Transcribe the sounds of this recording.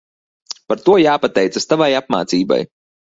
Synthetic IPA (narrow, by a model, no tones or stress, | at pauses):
paɾt̪uɔjaːpat̪ɛjt̪sast̪avajap̚ma̰ːt̪siːba̰j